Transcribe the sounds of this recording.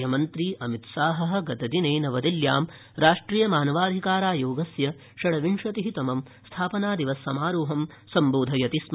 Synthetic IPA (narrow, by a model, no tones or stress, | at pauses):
ɐmɐnt̪ɾiːʔɐmit̪saːɦɐ̆ɦɐ̆ɡɐt̪ɐd̪ineːnɐʋɐd̪iljaːm | ɾaːʂʈɾiːjɐmaːnɐʋaːd̪ʱikaːɾaːjoːɡɐsjɐ | ʃɐɽɐʋiɳʂɐt̪iɦit̪ɐmɐm | st̪ʰaːpɐnaːd̪iʋɐsːɐmaːɾuːɦɐm | sɐmboːd̪ʱɐjɐt̪ism